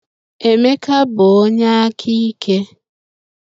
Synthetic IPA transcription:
e˨me˦ka˦bʊ˨o˦ɲa˦a˦kʰi˦kʰe˦

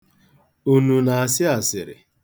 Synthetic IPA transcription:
u˦nu˨na˨a˨sɪ˦a˨sɪ˨ɾɪ̰˨

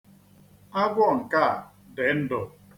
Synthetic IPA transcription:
a˦ɡʷɔ˦˨ŋ̩˨ka˦˨ | de˨˦n̩˦do˨

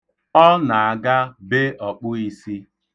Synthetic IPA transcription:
ɔ˦na˨a˨ɡa˦be˦ɔ˨k͡pʊ˦i˦si˦

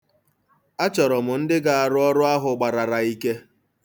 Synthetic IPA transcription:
a˦t͡ʃɔ˨ɾɔ˨mʊ˨n̩˦dɪ˦ɡa˨a˨ɾʊ˦ɔ˦ɾʊ˦a˦ɦʊ˨ɡ͡ba˨ɾa˨ɾa˨i˦ke˦

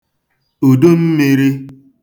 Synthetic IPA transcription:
o˨do˦m̩˦mi˦ɾi˦

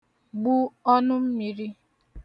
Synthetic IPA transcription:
ɡ͡bu˦ɔ˦nʊ˦m̩˦mi˨ɾi˦

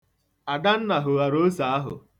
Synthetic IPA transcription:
a˨da˦n̩˦na˨ɦʊ˨a˨ɾo˦sa˨˦a˦ɦʊ̰˨

